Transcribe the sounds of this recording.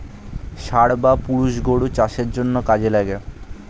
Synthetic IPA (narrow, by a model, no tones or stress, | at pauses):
ʃaɽbapuɽuʃɡoɽut͡ɕaʃeɾd͡ʑonːokad͡ʑelaɡe